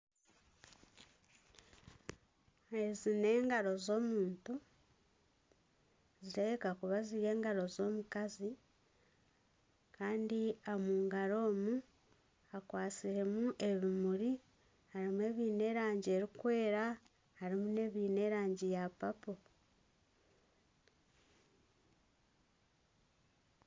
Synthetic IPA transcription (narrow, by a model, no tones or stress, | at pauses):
e̞zine̞ːŋɡaɾo̞zo̞ːmuːntu | ziɾeekakuβaziɾe̞ːŋɡaɾo̞zo̞ːmukazi | kaːndiamuːŋɡaɾo̞ːmu | akwaːt͡siɾe̞muʔe̞βimuɾi | haɾimue̞ːβiːne̞ːɾaːɲɟie̞ɾikwe̞ːɾa | haɾimune̞ːβiːne̞ɾaːɲɟijapapo